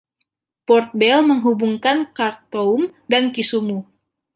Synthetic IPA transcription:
pɔrt̪̚bɛlməŋɦubuŋkankart̪oumdankisumu

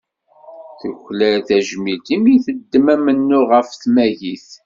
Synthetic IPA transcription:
θəçlæθæʒmilt̪imjiθəd̪ːəmæmənːʊʁəfθmæʝiθ

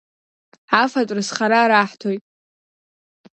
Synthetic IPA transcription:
afatʷʼrɨsχaɾaːɾaħtʰojtʼ

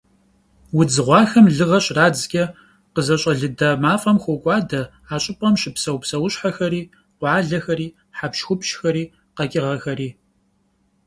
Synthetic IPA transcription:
wʊd͡zɨʁʷɑːxɐmɮɨʁɐɕraːd͡zɡʲʼɐ | qəzɐɕʼɐɮɨdɐmaːfʼɐmxʷokʷʼɑːdɐ | aːɕʼɪpʼɐmʃɪpsɐwpsɐwʊɕħaxɐɾiː | qʷɑːɮɐxɐɾiː | ħapʃxʷʊpʃxɐɾiː | qɐkʲʼɪʁɐxɐɾiː

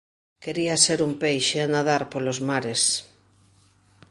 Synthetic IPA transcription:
keɾiaseɾumpejʃeanaðaɾpolozmaɾes

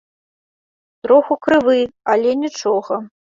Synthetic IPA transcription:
t̪ɾoxukɾɨvɨalʲɛnʲit͡ʂoɣɐ

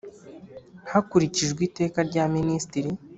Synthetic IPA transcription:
hakuɾiciʒɡwiːte̞ːkaɾɟaministiɾi

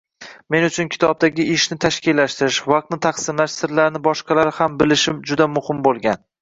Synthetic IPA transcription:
me̞nʊt͡ʃʰʊnkʲʰɪ̥t̪ʰɒb̚d̪aɡʲɪʔɪʃnɪt̪ʰaʃkʲɪlːaʃt̪ɪɾɪʃvɑq̚t̪nɪt̪ʰaχsɪmlaʃsɪɾlaɾnɪbɒʃqʰɑlaɾhambɪlɪʃɪmd͡ʒʊd̪amʊhɪmbolˠɡʲan

